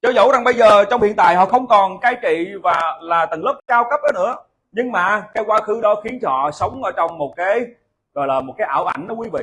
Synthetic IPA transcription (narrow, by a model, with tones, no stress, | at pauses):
zɔ˨˦zṵ˧˥za˨˩ŋɓə˧jzəː˨˩t͡ɕɔ˧wŋ͡mhi˧˨ənt̪a̰ː˧˨jhɔ̰˧˨xə˧wŋ͡mkɔ˨˩nkaː˨˦jt͡ɕḭ˧˨vaː˨˩laː˨˩t̪ə˨˩ŋlə˦˥k͡p̚kaː˧wkə˦˥p̚əː˨˦nɨ̰˧˥ə | ɲɨ˧ŋmaː˨˩kaː˨˦jkwaː˧xɨ˨˦ɗɔ˨˦xi˨˦ən˧˨ɔ̰˧˨sə˨˦wŋ͡mʔəː˨˦t͡ɕɔ˧wŋ͡mmo˨˩t̚kaː˨˦j | zɔ˨˩jlaː˨˩mo˨˩t̚kaː˨˦jʔaː˧˩wʔa̰˧˩jŋ̟nɔ˨˦kwi˧˦vḭ˧˨